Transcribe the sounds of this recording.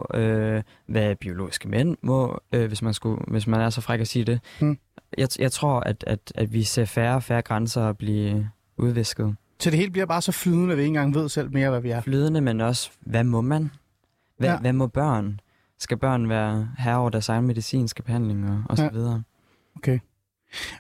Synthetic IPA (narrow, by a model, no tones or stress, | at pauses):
ø | ʋæb̥io̝lo̝̰ːi̥sɡ̥əmen̰mɔ̽øʋe̝smænsɡ̥uʋe̝smænæɐsɒ̽fʁaɡ̥æsiːd̥e̝ | jɑ̈jɑ̈ɪt͡sʰʁo̝ɐ̰æd̥æd̥æd̥ʋise̝̰ɐfæːɐfæːɐɡ̥ʁansɐɒb̥liː | uð̞ˠʋe̝sɡ̥ð̞̩ˠ | sʰɒd̥e̝e̝̰ːlb̥liɐb̥ɑ̈ːsɒ̽flyːðˠənəʋie̝ːn̩ɡ̥ɑ̈ŋʋe̝ð̞̰ˠsel̰me̝ːɐʋæʋiæɐflyːð̞ˠənəmenɒ̽sʋæmɒ̽mæn | æʋæmɒ̽b̥ɶɐ̰n | sɡ̥æb̥ɶɐ̰nʋæːɐɦæɐɒʊ̰ɐd̥æɐsɑ̈mnəme̝ðˠisḭːnsɡ̥əb̥e̝hæn̰le̝ŋɒ̽ɒsɒʋið̞ˠɐ | okʰe